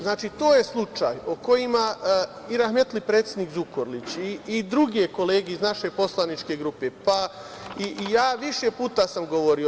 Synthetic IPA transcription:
znaːt͡ʃit̪oːje̞slˠut͡ʃa̰joko̞jima | iɾaxmet̪lipɾet̪sjed̪nikzukoɾlit͡ɕiid̪ɾuɡe̞ko̞leːɡeiznaʃe̞po̞slˠanit͡ʃke̞ɡɾupe̞pa | ijaːʋiʃe̞puːt̪asamɡo̞ʋo̞ɾio

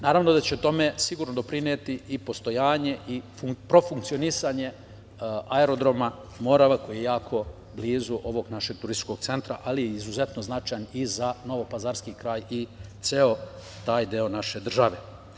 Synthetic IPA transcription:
naːɾaʋnod̪at͡ɕet̪o̞me̞siɡuːɾnod̪o̞pɾinet̪iipo̞st̪o̞jaːɲe̞ʔi | pɾo̞fuŋk̚tsio̞nisaɲe̞ | aeɾo̞d̪ɾo̞ma | mo̞ɾaʋako̞jijejaːkʰo̞ | bliːzuʔo̞ʋo̞ɡnaʃe̞ɡ̚t̪uɾist̪i̥t͡ʃko̞ɡ̥̚t̪se̞nt̪ɾa̰ʔalijeizuze̞t̪no̞znat͡ʃajanizano̞ʋo̞pazaːɾskikɾaːjit̪seo̞ | t̪aːjd̪eo̞naʃe̞d̪r̩ʒaʋe̞

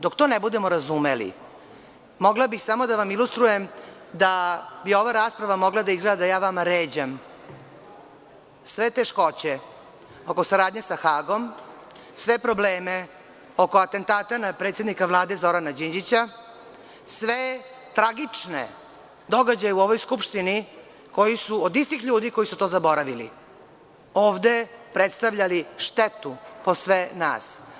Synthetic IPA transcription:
d̪okt̪onebud̪e̞mo̞ɾazumelḭ | mo̞ɡlabixsamo̞d̪aʋamilust̪ɾujem | d̪abio̞ʋaɾaːspɾaʋamo̞ɡlad̪aizɡlad̪d̪ajaːʋamaɾeːd͡ʑam | sʋe̞t̪eʃko̞t͡ɕe | oko̞saɾaːd̪ɲesaxaːɡo̞m | sʋe̞pɾobleːme | oko̞at̪e̞nt̪aːt̪anapɾet̪sje̞d̪nikaʋlˠaːd̪e̞zo̞ɾanad͡ʑiɲd͡ʑit͡ɕa | sʋet̪ɾaɡit͡ʂnḛ | d̪o̞ɡad͡ʑajeuo̞ʋojskupʃt̪ini | ko̞jisuod̪ist̪ixʎuːd̪iko̞jisut̪ozabo̞ɾaʋilḭ | oːʋd̪e̞pɾet̪st̪aʋʎaliʃt̪et̪upo̞sʋena̰ːs

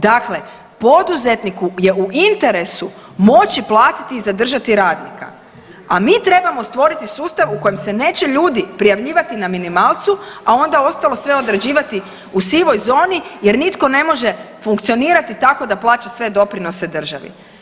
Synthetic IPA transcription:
d̪akle̞ | po̞d̪uze̞t̪nikuje̞uʔint̪e̞ɾe̞su | mo̞t͡ʃiplˠaːt̪i̥t̪iːzad̪r̩ʒat̪iɾaːd̪nika̰ | amiːt̪ɾe̞bamo̞st̪ʋo̞ɾit̪isuːst̪aʋuko̞jemse̞ne̞ːt͡ɕeʎuːd̪ipɾijaʋʎiːʋat̪inaminimaːlˠt̪suao̞nd̪ao̞st̪alˠo̞sʋe̞o̞d̪ɾed͡ʑiːʋat̪i | usiʋo̞jzo̞ːnijeɾnit̪ko̞ne̞mo̞ʒe̞ | fuŋkt̪sio̞niːɾat̪it̪ako̞d̪aplˠaːt͡ʃasʋe̞d̪o̞pɾino̞sed̪r̩ʒaʋḭ

